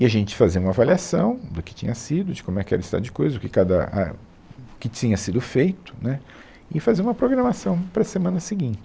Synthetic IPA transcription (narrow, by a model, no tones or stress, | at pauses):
ɪaʒẽnt͡ʃɪ̥faziɐũmɐavaliasɐ̃w̃d̪ʊkɪ̥t͡ʃḭ̃ɲɐsid̪ʊd͡ʒɪkõmʊɛkɪɛ̰ɾɪst̪a̰d̪ʊd͡ʒɪkojzɐʊkɪkad̪ɐ̰a̰ | ʊkɪt͡ʃĩɲɐsid̪ʊfejt̪ʊ̥nɛ | ɪfazeũmɐpɾoɡɾɐmasɐ̃w̃pɾɐsemɐ̃nɐsɪɡĩnt͡ʃɪ̥